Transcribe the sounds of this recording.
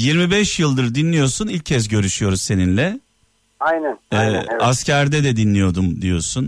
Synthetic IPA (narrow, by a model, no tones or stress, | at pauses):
jiɾmibɛʃjɯlˠd̪ɯɾd̪inlʲijo̞ɾsunilʲcʰːɛsɟø̞ɾyʃyjo̞ɾuzse̞ninlʲɛ | ajnɛnːascæɾd̪ɛd̪ɛd̪inlʲijo̞d̪umd̪ijo̞̰ɾsun